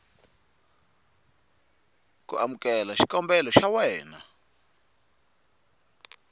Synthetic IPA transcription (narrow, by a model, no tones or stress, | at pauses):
kṵʔamukɛlaʃi̥kɔmbɛlɔʃawɛːna